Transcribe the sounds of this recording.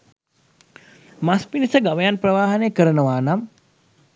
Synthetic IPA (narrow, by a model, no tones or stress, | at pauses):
maspinisɐɡɐʋɐjanpɾɐʋaːɦɐnekəɾɐnɐʋaːnɐm